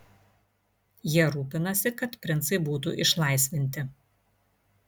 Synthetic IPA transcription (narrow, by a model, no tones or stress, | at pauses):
jiɛɾuːpʲɪnɐsʲɪkɐt̪pʲɾʲɪnt̪sɐɪbuːt̪ṵʔɪʃlˠɐɪsʲʋʲɪnʲt̪ʲɪ